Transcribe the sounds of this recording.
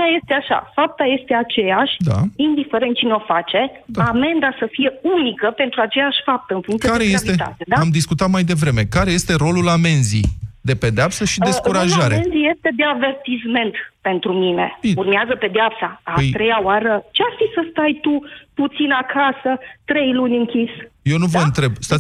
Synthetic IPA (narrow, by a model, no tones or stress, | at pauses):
aje̞st̪eaʃa̰fap̚t̪aje̞st̪e̞at͡ʃe̞jaʃʲd̪a̰ind̪ifeɾe̞nt̪̚t͡ʃineo̞fat͡ʃe̞̥ | ame̞nd̪asəfije̞unikəpe̞nt̪ɾuat͡ʃe̞jaʃʲfap̚t̪əɨnfuŋk̪t̪k̪aɾejeasliet̪a̰t̪ed̪aamd̪iskut̪at̪majd̪e̞vɾe̞me̞kaɾe̞je̞st̪e̞ɾo̞lulame̞nzḭd̪e̞pe̞d̪eapsəʃid̪eskuɾaʒaɾeenzije̞st̪e̞d̪e̞ave̞rt̪isme̞nt̪pe̞nt̪ɾumine̞̰urmeazəpe̞d̪eapsajt̪ɾe̞jaoaɾət͡ʃearfisəst̪ajt̪uput̪sinakʰasət̪ɾe̞jlunʲɨŋkʲisjewnuvəɨnt̪ɾe̞bst̪a